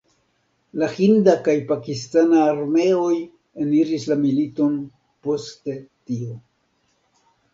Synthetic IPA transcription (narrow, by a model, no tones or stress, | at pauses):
lahindakajpakistanaːɾme̞o̞j | eniɾislamilito̞n | po̞ste̞tio̞